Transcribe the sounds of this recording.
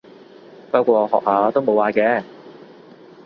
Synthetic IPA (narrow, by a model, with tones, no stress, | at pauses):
paː˥kʷɔː˧hɔ̰ː˨k̚haː˨˥t̪o˥wmo˨˧waː˨˧kɛː˨˧